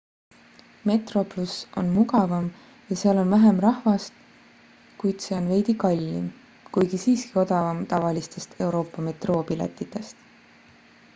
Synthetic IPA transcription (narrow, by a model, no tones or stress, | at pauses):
me̞t̪ro̞plusʔo̞nmuɡɑvɑm | jɑseɑlo̞nvæɦe̞mrɑhvɑst̪ | kujd̪̥se̞o̞nve̞jd̪̥ikɑlʲːḭm | kujɡ̥isiːski̥o̞d̪ɑvɑmt̪ɑvɑlist̪e̞st̪e̞wɾo̞ːpːˑɑme̞t̪roːpilḛt̪ːˑit̪ːˑe̞st̪